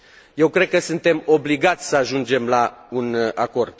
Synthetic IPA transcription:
je̞wkɾe̞d̪̚kəsunt̪e̞mo̞bliɡat̪sʲsəaʒund͡ʒe̞mlaunako̞rd̪̥̚

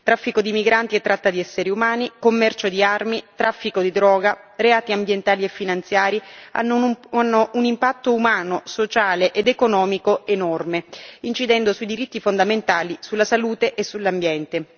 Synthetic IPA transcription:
t̪ɾafːikod̪imiɡɾant̪iet̪ːɾat̪ːad̪iɛsːeɾiumaːnikomːɛrt͡ʃod̪iarmit̪ɾafːikod̪id̪ɾɔːɡareaːt̪iambjent̪aːliefːinant̪sjaːɾia̰nːoanːoʔunimpat̪ːoumaːnosot͡ʃaːleʔed̪ekonɔːmikoenɔrmeint͡ʃid̪ɛnd̪osuid̪iɾit̪ːifond̪ament̪aːlisulːasaluːt̪eʔesːulːambjɛnt̪e

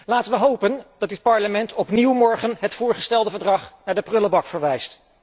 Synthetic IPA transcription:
laːtənʋəɦowpənd̥ɑdɪt̚pɑɹləmɛntʰɔpniwmɔɹχənɦətfʊːɹχəstɛlˠdəvəɹdrɑχnaːɹdəprɵləbɑkfəɹʋɛjst

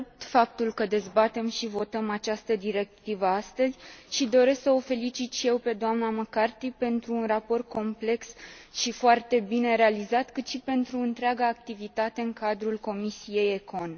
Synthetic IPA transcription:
p̚t̪fap̚t̪ulkəd̪e̞zbat̪e̞mʃivo̞t̪əmat͡ʃast̪əd̪iɾe̞k̚t̪ivəast̪əzʲʃid̪o̞ɾe̞sksəofe̞lit͡ʃit̪ʃije̞wpe̞d̪oamnaməkart̪ipe̞nt̪ɾuːnrapo̞rt̪̚kʰo̞mple̞ksʃifoart̪e̞bine̞ɾe̞alizat̪kɨt̪ʃipe̞nt̪ɾuɨnt̪ɾeaɡaːk̚t̪ivit̪at̪e̞ɨŋkad̪ɾulko̞misije̞jeko̞n

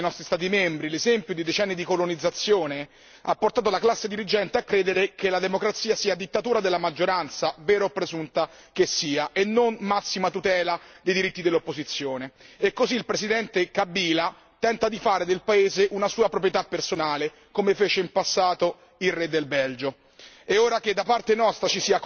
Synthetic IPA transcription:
nɔst̪ɾist̪aːt̪imembɾilezɛmpjod̪id̪et͡ʃɛnːid̪ikolonid̪zːat̪sːjoːne | apːort̪aːt̪olaklasːed̪iɾid͡ʒɛnt̪eakːɾeːd̪eɾekelad̪emokɾat̪siːasiːad̪it̪ːat̪uːɾad̪elːamad͡ʒːoɾant̪savɛːɾopːɾezunt̪a | k̟esːiːaʔenːonmasːimat̪ut̪ɛːlad̪ejd̪iɾit̪ːid̪elːopːozit̪sːjoːneɛkːoziːlpɾesid̪ɛnt̪ekabːiːla | t̪ɛnt̪ad̪ifaːɾed̪elpaeːzeʔunasuːapɾopɾjet̪apːersonaːle | komefeːt͡ʃeimpasːaːt̪o | ilred̪ːelbɛld͡ʒo | eoːɾaked̪ːapart̪enɔst̪ɾat͡ʃisiːa

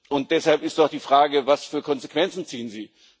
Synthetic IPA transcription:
ʊnt̚d̥ɛshalpɪstad̥iːfʁ̥aːɡəvasfyːɐkʰɔnzekv̥ɛnt͡sn̩t͡siːənziː

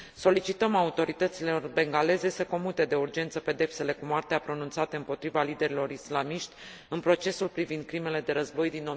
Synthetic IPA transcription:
so̞lit͡ʃit̪əmaut̪o̞ɾit̪ət̪sileorbe̞ŋɡale̞ze̞səko̞mut̪e̞d̪e̞urd͡ʒe̞nt̪səpe̞d̪e̞pse̞le̞kumoart̪eapɾo̞nunt̪sat̪eɨmpo̞t̪ɾivalid̪e̞ɾilo̞ɾislamiʃt̪ʲ | ɨnpɾo̞t͡ʃe̞sulpɾivind̪̚kɾime̞le̞d̪e̞ɾəzbo̞jd̪ino

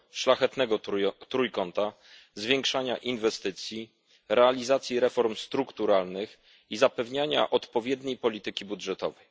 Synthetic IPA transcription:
ʂlaxɛt̪nɛɡɔt̪ɾujkɔnt̪a | zvʲjɛŋkʂaɲa̰ʔinvɛst̪ɘt̪sʲji | ɾɛalʲizat̪sʲjiɾɛfɔɾmst̪ɾukt̪uɾalnɘx | izapɛvɲaɲa̰ʔɔt̪pɔvʲjɛd̪ɲejpɔlʲit̪ɘkʲibudʐɛt̪ɔ̰vɛj

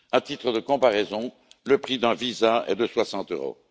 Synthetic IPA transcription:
ɛ̃t̪it̪χəd̪əkɔ̃paʁɛzɔ̃ | ləpχid̪ɛ̃vizaɛ̰d̪əswasɑ̃t̪øʁo̰

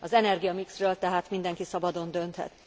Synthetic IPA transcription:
ɒzɛnɛrɡijɒmiksrøːlt̪ɛɦaːt̪mind̪ɛŋkisɒbɒd̪o̞nd̪ø̞nt̪hɛ̰t̪

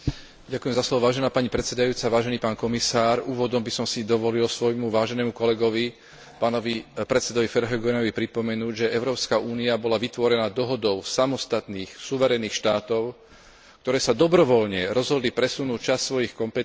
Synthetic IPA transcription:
ɟakujɛmzaslɔʋɔʋaːʒɛnaːpaɲipɾɛt̪sɛd̪ajuːt͡saʋaːʒɛniːpaːnkɔmisaːɾuːʋɔd̪ɔmbisɔmsid̪ɔʋɔlilsʋɔjmuʋaːʒɛnɛːmukɔlɛɡɔʋi | paːnɔʋipɾɛt̪sɛd̪ɔʋifɛɾɦɛɡɛnɔʋipɾipɔmɛnuːɟʒɛʔɛʊɾɔːpskaʔuːniabɔlaʋit̪ʋɔɾɛnaːd̪ɔɦɔd̪ɔʊsamɔst̪at̪niːxsuʋɛɾɛniːxʃt̪aːt̪ɔʊ | kt̪ɔɾɛːsad̪ɔbɾɔʋɔlɲɛɾɔzɦɔd̪lipɾɛsunuːt͡ʃasːʋɔjixkɔmpɛ

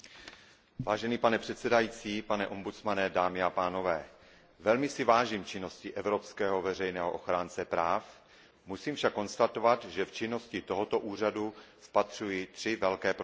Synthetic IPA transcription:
vaːʒɛniːpanɛpr̝̥ɛt̪sɛdajiːt͡siːpanɛʔo̞mbut͡smanɛdaːmɪapaːno̞vɛː | vɛlmɪsɪvaːʒiːmt͡ʃɪno̞scɪʔɛvɾo̞pskɛːɦo̞vɛr̝ɛjnɛːɦoʔo̞xɾaːnt͡sɛpɾaːf | musiːmfʃakːo̞nst̪at̪o̞vat̪ʒɛft͡ʃɪno̞scɪt̪oɦot̪o̞ʔuːr̝aduspat̪r̝̥ujit̪r̝̥ɪvɛlkɛːpɾ

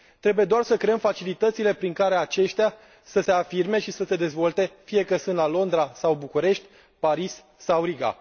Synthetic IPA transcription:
t̪ɾe̞buje̞d̪oarsəkɾe̞əmfat͡ʃilit̪ət̪sile̞pɾiŋkaɾeat͡ʃe̞ʃt̪ea | səse̞afirme̞ʃisəse̞d̪e̞zvo̞lt̪e̞fije̞kəsunt̪lalo̞nd̪ɾasawbukuɾe̞ʃt̪ʲ | paɾis | sawɾiɡa̰

